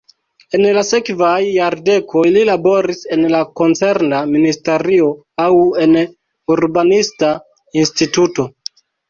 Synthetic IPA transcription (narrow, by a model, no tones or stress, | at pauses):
e̞nlase̞kvajːaɾde̞kʰo̞jlilabo̞ɾise̞nlako̞nt͡se̞ɾnaministe̞ɾio̞ | awe̞n | uɾbanista | instituto̞